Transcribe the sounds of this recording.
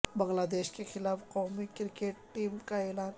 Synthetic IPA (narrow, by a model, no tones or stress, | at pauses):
bəŋɡlaːd̪eʃkexɪlaːfqawmikɪɾkeʈːimkaelaːn